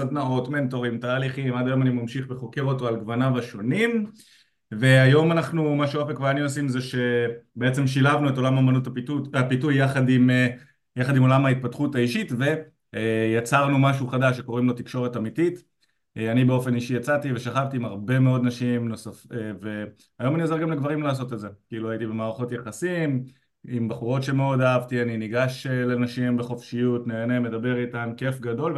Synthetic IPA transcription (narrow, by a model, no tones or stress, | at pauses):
sadnaʁotme̞nt̪o̞ʁimtaːliχimad̪ajo̞manimamʃiχbeχo̞keʁo̞to̞alɡvanavaʃo̞nim | ve̞ajo̞manaχnumaʃeapekveaniosimzeʃe̞beet͡se̞mʃilavnueto̞lamamanutuapitujːaχad̪im | jaχad̪imo̞lamhait̪̚patχutaiʃitve̞ | jat͡saʁnumaʃuχadaʃːeko̞ʁimlo̞t̪ikʃo̞ʁe̞tamitit | anibe̞o̞fe̞niʃijat͡sativeʃaχavtiːmaʁbe̞me̞o̞d̪naʃimno̞safeve̞ | ajo̞maniozeɡamleɡvaʁimlaːs̬o̞t̪elze̞kiiːluajitibe̞maːʁaχo̞tjaχasim | imbaχuʁo̞tʃe̞meo̞daavtianiniɡaʃele̞naʃimbeχo̞fʃijutneːne̞me̞dabe̞ʁitamke̞fɡado̞lv